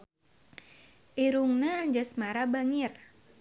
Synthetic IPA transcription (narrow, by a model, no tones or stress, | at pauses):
ʔiɾuŋnaːɲd͡ʒasmaɾabaŋir